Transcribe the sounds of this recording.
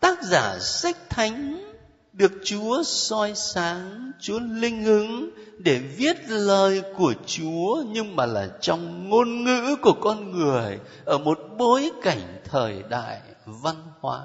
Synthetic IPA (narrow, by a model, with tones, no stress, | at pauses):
t̪aː˦˥k̚zaː˧˩sa˦˥jk̟̚t̪ʰa˨˦jŋ̟ | ɗɨ˨˩ək̚t͡ɕu˨˦əsɔ˧jsaː˨˦ŋt͡ɕu˨˦əlï˧ŋ̟hɨ˨˦ŋɗe˧˩vi˦˥ət̚ləː˨˩jku˧˩ət͡ɕu˨˦əɲɨ˧ŋmaː˨˩laː˨˩t͡ɕɔ˧wŋ͡mŋo˧nŋɨ̰˧˥ku˧˩əkɔ˧nŋɨ˨˩əj | ʔəː˧˩mo˨˩t̚ɓo˨˦jka˧˩jŋ̟t̪ʰəː˨˩jɗa̰ː˧˨j | va˧nhwa̰ː˨˦